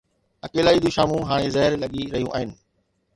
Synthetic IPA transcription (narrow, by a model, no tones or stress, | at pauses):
ɐkeːlaːid̪iʃaːmũɦaːɽ̃ezɐɦɪɾlɐɠiɾɐɦijũʔaːɦɪnɪ̆